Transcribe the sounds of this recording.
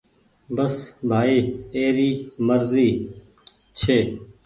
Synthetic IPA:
bəsbʱaːiːeːɾiːməɾziː | t͡ʃʰeː

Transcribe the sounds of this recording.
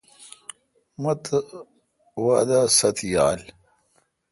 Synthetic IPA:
mɐt̪ | wad̪asɐt̪ʰja̰l

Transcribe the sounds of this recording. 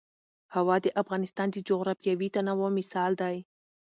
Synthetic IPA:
hawɑd̪əʔafɣɑnɪst̪ɑnd̪əd͡ʒoɣɾɑfjawit̪anawomɪsɑld̪aj

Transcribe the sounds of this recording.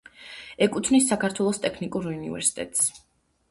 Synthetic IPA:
ɛkʼut̪ʰvnisːakʰaɾt̪ʰwɛlˠɔst̪ʼɛkʰnikʼuɾunḭvɛ̰ɾsi̥t̪ʼɛ̰t̪ʼs

